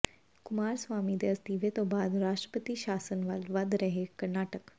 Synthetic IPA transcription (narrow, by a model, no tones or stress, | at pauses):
kumaːɾsʋaːmid̪est̪iʋet̪obaːd̪ɾaːʃʈɾə̥pət̪iːɕaːsənʋalʋad̪ɾɐɦekɐɾnaːʈək